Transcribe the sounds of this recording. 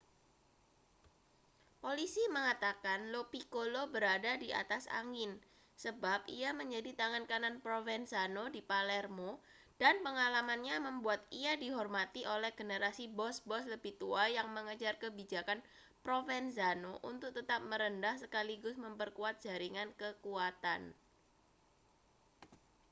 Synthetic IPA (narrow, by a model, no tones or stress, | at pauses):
polisiməŋat̪akanlopikolobəɾadadiʔa̰t̪asa̰ŋɪn | səbap̚ḭaməɲd͡ʒadit̪aŋankananpɾofɛnsanodipalɛrmo | d̥anpəŋalamanɲaməmbuat̪iadiɦɔrmat̪iʔolɛhɡənəɾasibɔsbɔsləbiht̪uajaŋməŋəd͡ʒarkəbid͡ʒakan | pɾofɛnsanoʔunt̪ʊk̚t̪ət̪ap̚məɾəndahsəkaliɡʊsməmpərkuat̪̚d̥d͡ʒ̥aɾiŋankəkuat̪a̰n